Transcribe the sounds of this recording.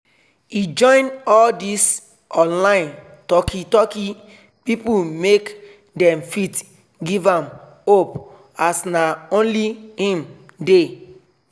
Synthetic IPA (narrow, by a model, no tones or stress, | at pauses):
id͡ʒɔ̃ɪ̃nɔldis | ʔɔ̃nlãɪ̃n | tɔkʰitɔki | pipumek | dɛ̃mfit | ɡivãm | op | asnaõnlihĩmde